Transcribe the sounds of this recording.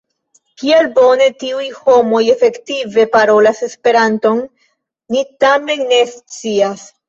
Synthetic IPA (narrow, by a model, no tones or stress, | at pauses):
kielbo̞ne̞tiujho̞mo̞je̞fe̞ktive̞paɾo̞lase̞spe̞ɾanto̞nː | itame̞nːe̞st͡sias